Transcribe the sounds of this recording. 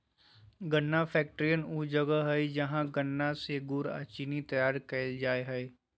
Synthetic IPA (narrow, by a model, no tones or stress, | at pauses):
ɡɐnːapʰɛːk̚ʈɾijənud͡ʒəɡəɦɛid͡ʒɐɦãɡɐnːaseɡʊɾa̰ːt͡ʃinit̪ɐjaːɾkɐd͡ʒaːeɦɛe